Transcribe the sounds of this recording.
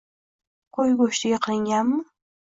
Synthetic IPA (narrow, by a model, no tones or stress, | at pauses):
kʰojɡoʃt̪ɪɡʲaqʰɨlˠɪŋɡʲanmɪ